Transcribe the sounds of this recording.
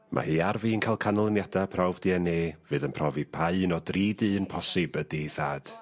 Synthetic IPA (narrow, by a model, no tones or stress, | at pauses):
mʔa̰hɨːarviːənkʰajlˠkʰanəlˠənjadapʰrawvdiɛneːv̥ɨːðənpʰrɔvipʰaɨnɔdriːdɨːənpʰɔsɨbədiːθaːd̥